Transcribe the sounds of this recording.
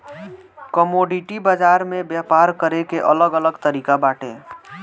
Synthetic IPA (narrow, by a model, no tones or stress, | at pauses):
kəmoɖiʈibad͡ʒaɾmẽbjapaɾkəɾekeʔələɡələɡt̪əɾiːkabaːʈḛ